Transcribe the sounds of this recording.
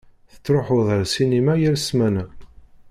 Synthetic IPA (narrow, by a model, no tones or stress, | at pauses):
θə̥t͡sːɾoħoðˤəɾsinimæjəɾsmæn